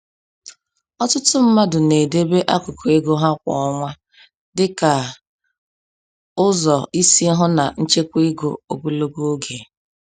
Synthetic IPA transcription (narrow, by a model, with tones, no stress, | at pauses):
ɔ˦tʊ˦tʊ˦m̩˦ma˦dʊ˨ne˨de˦be˦ʔa˦kʊ˨kʰo˨e˦ɡo˦ɦa˦kʷɔ̰˨ɔ˦ŋʷa˦ | dɪ˦ka˨ | ʊ˦zɔ˨i˦si˦ɦʊ˦na˨n̩˦t͡ʃe˦kʷi˦ɡo̰˨o˨ɡu˦lo˦ɡo˦o˦ɡe˨